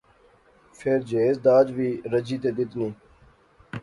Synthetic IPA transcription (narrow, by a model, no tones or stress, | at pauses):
fʰeɾd͡ʒeːzd̪aːd͡ʒʋiːɾəd͡ʒiːt̪eːd̪ɪt̪niː